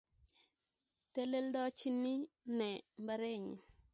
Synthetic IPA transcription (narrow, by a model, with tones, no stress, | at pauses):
t̪e˦le˦ldɔ˦t͡ʃi˦ni˦nɛ˨mba˦ɾe˦˨ɲ̰˨